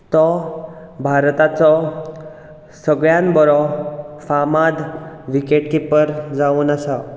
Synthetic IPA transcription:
t̪ɔ | bʱaɾt̪at͡sɔ | səɡɭjãnbɔɾɔfamad̪ʋikeʈkipəɾd͡zauːnəsa

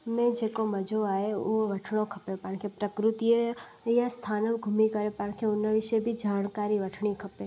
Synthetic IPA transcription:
mẽd͡ʒeːkomɐd͡ʒʱoaːeʊɦoʋɐʈʰɽ̃õkʰɐpepankʰepɾəkɾʊt̪i | jast̪ʰaːnəbɡʱʊmikɐɾepãːñkʰeʊnəʋɪʃebʱid͡ʒaːñkaːɾiʋɐʈʰɳ̃ikʰɐpeː

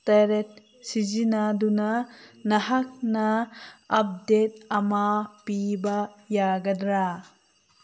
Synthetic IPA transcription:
t̪ɐɾet̚ | sizinadunanɐɦak̚naɐp̚det̪̚ɐmapibajaɡɐd̪ɾa

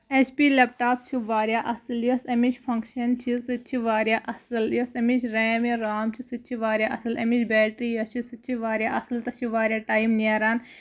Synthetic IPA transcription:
et͡ʃʰpiːlep̚ʈaːp̚t͡ʃʰiʋaːɾʲjaːʔɐsɨljɐsɐmit͡ʃpʰɐŋkʃɐnt͡ʃʰisɨt͡ʃʰiʋaːɾjaːʔɐsɨljosɐmit͡ʃʰɾeːmeɾaːmt͡ʃʰisɨt͡ʃʰiʋaːɾjaːʔɐsɨlɐmit͡ʃʰbɛːʈɾiːjɐt͡ʃʰisɨt͡ʃʰiʋaːɾjaːʔɐsɨlt̪ɐt͡ʃʰiʋaːɾjaːʈaːimniaɾaːn

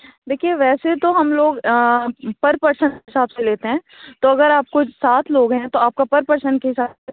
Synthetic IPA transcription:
d̪eːkʰijeʋɛːset̪oɦɐmloːɡ | pɐɾpɐɾsə̃nɪsaːbseleːt̪eɦɛ̃ː | t̪oɐɡəɾaːp̚kʊsaːt̪ʰloːɡɦɛ̃t̪oaːp̚kapɐɾpɐɾsəɳnɖkeɦɪsaː

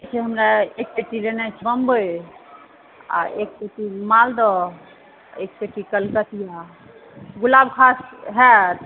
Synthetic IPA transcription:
t͡ʃʰɛɦəmɾaek̚peʈilenat͡ʃʰəmbəj | a̰ek̚peʈimald̪ɔ | ek̚peʈikəlkət̪ija | ɡulabkʰasɦɛt̪

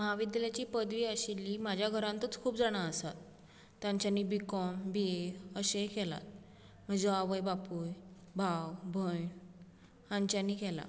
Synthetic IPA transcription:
məɦaʋid̪jaljat͡ɕiːpəd̪ʋiːəɕilːiːmad͡ʑʱjaɡʱəɾãnt̪ət͡skʰuːpd͡zaɽ̃aəsat̪ː | jãɲt͡ɕjanːiːbikɔmbieəɕekɛla̰t̪̚ | m̤əd͡zeaʋəjbapujbʱawbʱəjɳ | ãɲt͡ɕaniːkɛla̰

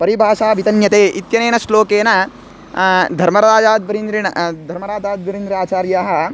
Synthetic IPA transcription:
pɐɾibʱaːʃaːʋit̪ɐnjɐt̪eːʔit̪jɐneːnɐsloːkeːnɐ | d̪ʱɐɾmɐɾaːd͡ʒaːd̪ʋɐɾind̪ɾinɐ̰d̪ʱɐɾmɐɾaːd̪ʱaːd̪ʋɐɾind̪ɾaːt͡ʃaːɾjaːɦɐ̆

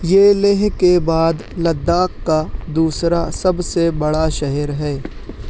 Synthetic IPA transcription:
jeːleːɦkebaːd̪lɐd̪ːaːqkad̪uːsɾasɐbsebɐɽaʃɐɦɛɾɦɛː

